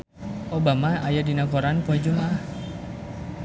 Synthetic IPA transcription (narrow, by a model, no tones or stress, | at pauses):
ʔobamaajadinakoɾanpuad͡ʒumah